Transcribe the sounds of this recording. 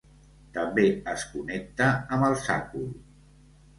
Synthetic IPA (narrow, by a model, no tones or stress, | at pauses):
t̪əmbeəskunɛk̚t̪əəməlˠsa̰kul